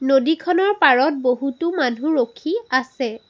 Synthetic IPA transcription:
nodikʰɔnɔɹpaɹɔt̚boɦutumanʱuɹokʰiasɛ

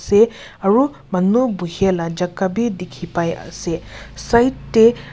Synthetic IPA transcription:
sɛ | aɹu | manubuɦiɛlad͡ʒakabidikʰipaja̰sɛsajtːɛ

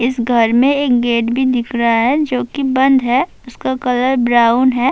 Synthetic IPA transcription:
ɪsɡʱɐɾmẽeːk̚ɡeːʈbʱid̪ɪkʰɾaaɦɛd͡ʒoːkibɐ̃nd̪ʱɦɛ | ʊskakɐləɾbɾaːʊnɦɛː

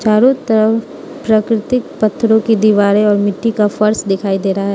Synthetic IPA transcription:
t͡ʃaːɾõt̪ɐɾə | pɾaːkɾɪt̪ɪk̚pɐt̪ʰːɾõkid̪iːʋaːɾẽɔːɾmɪʈːikafɐɾsd̪ɪkʰaːid̪eːɾaɦɛː

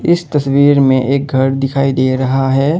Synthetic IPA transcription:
ɪst̪ɐswiːɾmẽʔeːk̚ɡʱɐɾd̪ɪkʰaːid̪eːɾɐɦaɦɛː

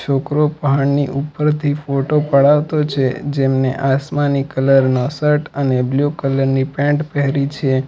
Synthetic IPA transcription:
t͡ʃʰokɾopəɦaɳniʔupəɾt̪ʰifoʈopəɽaʋt̪ot͡ʃʰḛd͡ʒemnḛʔasmanikələɾnɔsəʈənebljukələɾnipɛ̃ɳʈpɛɦɾit͡ʃʰe

